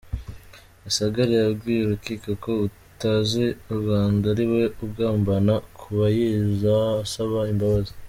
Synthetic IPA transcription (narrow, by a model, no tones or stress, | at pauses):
asaɡaɾijaβɡiːjeɾukikako̞u | tazeuɾɡaːndaɾiwe̞ubɡaːmbanakʰuβajizaːsaβaimbaβaze̥